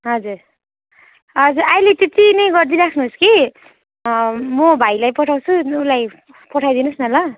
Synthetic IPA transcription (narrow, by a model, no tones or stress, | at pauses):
ɦʌd͡zuɾ | ɦʌd͡zuɾajlet̪et̪inʌjɡʌrd̪iɾakʰnuɦuski | mobʱajlajpʌʈʰawt͡sʰuːlaj | pʌʈʰajd̪inusnʌlʌ